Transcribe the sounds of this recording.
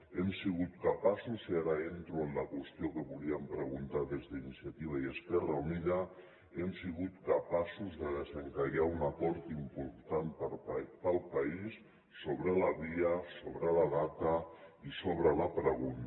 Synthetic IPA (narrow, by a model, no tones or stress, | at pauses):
emsiɣut̪̚kəpasuziaɾəent̪ɾuənləkwəst̪jiokəβuliəmpɾəɣunt̪aðezðəinisiat̪iβ̞aiəspɛrəuniða | emsiɣut̪kəpasuzðəðəzəŋkaɣaunakɔɾt̪impuɾt̪anpəpəlˠpaisː | oβɾəlaβiəsoβɾəlaðat̪əisoβ̞ɾəlapɾəɣun